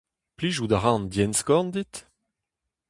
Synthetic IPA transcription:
pliʒud̪aʁɑ̃ndjɛnskɔnd̪it̪

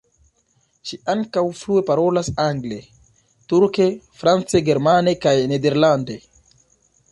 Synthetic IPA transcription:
ʃiaŋkawfɾue̞paɾo̞lasaŋɡle̞ | tuɾke̞fɾant͡se̞ɡe̞ɾmane̞kajnede̞ɾlande̞

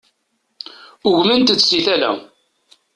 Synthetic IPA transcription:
ʊʝmənt̪ət͡sːsiθælæ̰

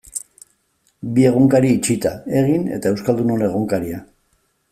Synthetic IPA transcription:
bie̞ɣ̞oŋkaɾiit͡ʃit̪ae̞ɣ̞ine̞̰t̪ae̞wskald̪uno̞ne̞ɣ̞oŋkaɾia

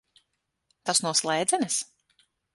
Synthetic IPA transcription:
t̪asnuɔslˠɛjd̪zɛnɛs

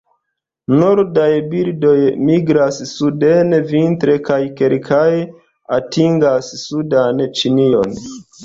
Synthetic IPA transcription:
noɾdajbiɾdo̞jmiɡɾasːudenvintɾe̞kajkelkʰaj | atiŋɡasːudant͡ʃinio̞̰n

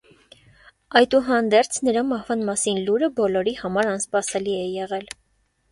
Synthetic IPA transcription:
ɑjt̪uɦɑnd̪ɛɾt͡sʰnəɾɑmɑhvɑnmɑsinluɾəbɔlɔɾihɑmɑɾɑnspɑsɛliɛjɛʁɛl

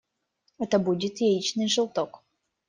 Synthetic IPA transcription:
ɛt̪əbudʲɪt̪jɛit͡ɕnɨjʐɨlˠt̪ɔk

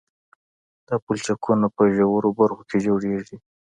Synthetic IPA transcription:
d̪̥ɑpult͡ʃakʰunapəʒawəɾobaɾxokʰed͡ʒoɽeʐi

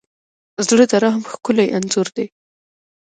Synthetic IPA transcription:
zɽəd̪aɾaɦamxkʊlajʔanzʊɾd̪e

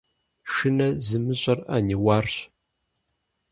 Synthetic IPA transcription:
ʃɨnɐzɨmɨɕʼɐrɐ̰niwaːrɕ

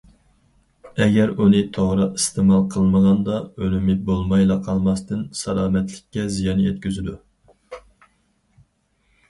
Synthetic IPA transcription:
ɛɡʲɛɾunɨt̪ʰoʁɾɨist̪ʰɨmɑlˠqʰəlˠməʁɑnd̪ɑølymɪbolˠmɑjlˠɑqʰɑlˠmɑst̪ɨnsɑlˠɑːmɛt̪lɪkʲːɛzijɑnjet̪kʲyzɪd̪u

